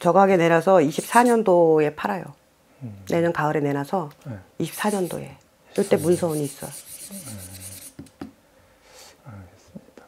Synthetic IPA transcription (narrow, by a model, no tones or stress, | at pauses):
t͡ɕʌɡaɡe̞ne̞nasʰʌiɕʰip̚s͈aɲʌndoe̞pʰaɾajo̰ | ne̞ɲʌnkaɯɾe̞ne̞nasʰʌiɕʰi̥p̚s͈aɲʌndo̰e̞̰ | ɯɭt͈e̞munsʰʌuɲiːs͈ʌj | ɡe̥